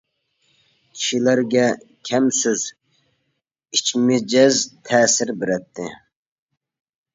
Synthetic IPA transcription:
kʲʰi̥ʃilæɾɡʲɛkʲʰɛmsøz | it͡ʃmɪd͡ʒɛzt̪ʰɛːsɪɾbɪɾɛt̪ʰːɪ

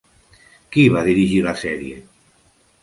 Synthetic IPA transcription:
kiβaðiɾiʒilasɛɾje

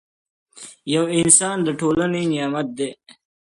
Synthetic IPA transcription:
jɐwɪnsɑːnd̪əʈʰoːlənenijɑːmɐt̪̚d̪eː

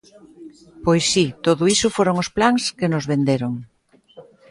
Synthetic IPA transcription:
pojsːit̪oðʊisʊfoɾoŋʊsplaŋskɪnʊzβend̪eɾʊŋ

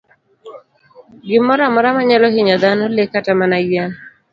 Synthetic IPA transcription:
ɡɪmɔɾamɔɾamaɲalɔɦɪɲɔd̪anɔlekatamanaja

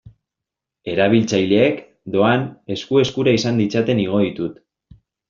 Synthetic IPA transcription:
e̞ɾaβ̞ilt͡sajle̞ːk | d̪o̞ane̞skue̞skuɾaisand̪it͡sat̪e̞niɣ̞o̞ðit̪ut̪

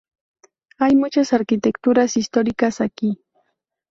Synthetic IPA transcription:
ajmʊt͡ʃasaɾkɪt̪ekt̪ʊɾasɪst̪oɾikasaki

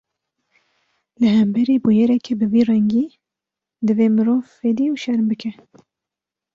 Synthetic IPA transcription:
lɨhɛmbɛɾiːbujɛɾɛkʰebɨviːrɛŋɡiː | d̪ɨveːmɨɾoːveːd̪iːuʃɛɾmbɨkʰɛ

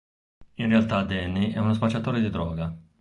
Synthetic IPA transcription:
inrealt̪ad̪ɛnːiʔɛunospat͡ʃːat̪ɔːɾed̪id̪ɾɔːɡa

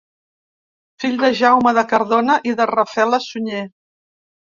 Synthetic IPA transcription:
fiʎʲd̪əʒawməðəkəɾðonəʔiðərəfɛləsuɲe

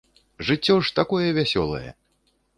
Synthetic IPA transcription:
ʐɨt͡sʲːɔʂt̪akɔjɛvʲasʲɔ̰lˠɐ̰jɛ̰

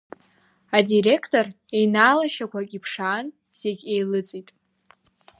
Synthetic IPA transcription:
adire̞kʰtʰʼo̞r | e̞jnaːlaʃakʷakʲʼipʰʂaːn | z̥eɡʲe̞jlɨt͡sʼitʼ

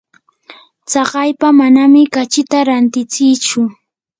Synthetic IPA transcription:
t͡sɑɢɑjpamanamɪkat͡ʃɪt̪aɾant̪ɪt͡sɪjt͡ʃʊ

